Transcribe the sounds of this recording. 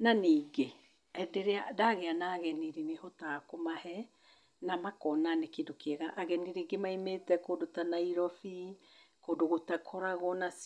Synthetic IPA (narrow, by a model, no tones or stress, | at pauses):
naniɡe | edeɾeadaɣeanaɣeniɾinihotaːkomahe | namakonanekidokieɡaʔaɡeniɾiɡemajmetekodotanajɾofi | kodoɡotakʰoɾaɣonas